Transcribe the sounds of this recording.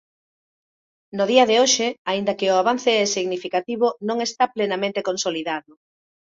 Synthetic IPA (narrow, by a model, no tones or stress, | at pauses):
noðiaðeoʃɪaind̪ɐkɪʊaβan̟θeɛsiɣnifikat̪iβ̞ʊnõŋest̪aplenamẽnt̪ekonsoliðaðʊ